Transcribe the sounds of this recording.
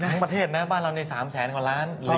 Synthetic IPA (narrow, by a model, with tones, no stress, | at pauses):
a˦˥ŋpɾa˧t̪ʰeː˥˩t̪̚na˦˥baː˥˩nɾa˧wniː˧saː˩˦mt͡ɕʰɛː˩˦nkwaː˨˩ɾaː˦˥nl